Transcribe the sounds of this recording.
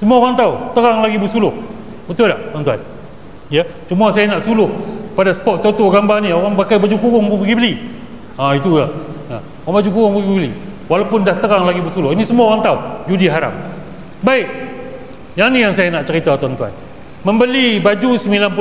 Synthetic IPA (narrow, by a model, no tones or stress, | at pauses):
səmuaoɣaŋt̪awt̪əɣaŋlaɡibusulʊh | bət̪ʊllaht̪ant̪ua̰n | jat͡ʃumasajanaʔsulʊhpadasə̥pɔt̪̚tot̪oɡambanioɾaŋpakajbad͡ʒukuɣɔŋbubəɡibəli | ait̪ujaa | oɣaŋbad͡ʒukuɣʊŋbuɡibbəliwalapʊndaht̪əɣaŋlaɡibəsulʊhinisəmuaoɣaŋt̪awd͡ʒudiɦaɾa̰p̚ | baɪk̚ | jaŋnijaŋsajanaʔt͡ʃəɾit̪at̪oant̪ua̰n | məmbəlibad͡ʒusəmilanpu